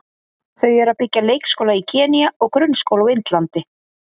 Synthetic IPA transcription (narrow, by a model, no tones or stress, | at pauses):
θœɥɛɾaðpɪcːaleːjkskowlaicʰɛːniaɔɣkɾʏnskowlawɪnt̪lant̪ɪ